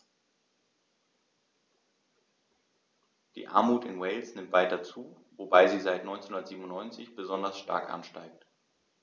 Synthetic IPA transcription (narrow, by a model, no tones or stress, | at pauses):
d̥ḭːʔa̰ɐmuːtɪnwɛɪlsnɪmtv̥aɪtɐt͡suː | vobaɪziːzaɪtnɔʏnt͡senhʊndɐtz̥iːbm̩ʊnːɔʏnt͡sɪçb̥əzɔndɐsʃta̰ɐkʔa̰nʃtaɪk̚t